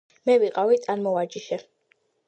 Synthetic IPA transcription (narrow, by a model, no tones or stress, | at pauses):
mɛviqʼavit̪ʼanmɔad͡ʒiʃɛ